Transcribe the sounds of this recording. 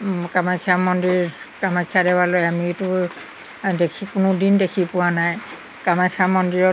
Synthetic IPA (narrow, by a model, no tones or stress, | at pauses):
kamajkʰamɔndiɹ | kamajkʰːadɛwalojamitʊ | dekʰikʊnʊdindekʰipʊwanaj | kamajkʰamɔndiɹɔ